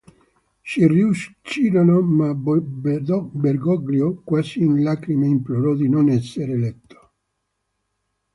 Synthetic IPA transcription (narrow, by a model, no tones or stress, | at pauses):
siriuʃt͡ʃiɾonoma | beɾɡɔɡliokwasiunlakɾimeimploɾɔd̪inonɛsːeɾeːlɛt̪ːo̥